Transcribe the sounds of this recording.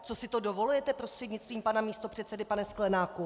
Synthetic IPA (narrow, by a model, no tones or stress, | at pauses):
t͡so̞sɪt̪o̞do̞vo̞lujɛt̪ɛpɾo̞st̪r̝̥ɛdɲɪt͡st̪viːmpanamiːst̪o̞pr̝̥ɛt̪sɛdɪpanɛsklɛnaːku